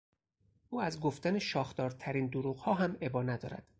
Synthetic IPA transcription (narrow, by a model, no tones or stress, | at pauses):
ʔuːæzɡoft̪æneʃɒːxt̪ɒːɾt̪ʰæɾiːnd̪uɾuːɣhɒːɦæme̞bɒːnæd̪ɒ̰ːɾæ̰d̪̥